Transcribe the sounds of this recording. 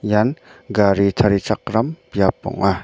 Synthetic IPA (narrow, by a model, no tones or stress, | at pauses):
janɡaɾit̪ʰaɾit͡sak̚ɾampijapːɔ̰ŋa